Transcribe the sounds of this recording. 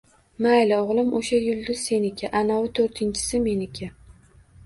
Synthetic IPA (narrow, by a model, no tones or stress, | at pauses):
majlɪɒʁlˠɪmoʃajʊlˠd̪ʊz̥se̞nɪkʲʰaʔanawʊt̪ʰoɾt̪ʰɪnt͡ʃʰɪ̥sɪme̞nɪkʲʰa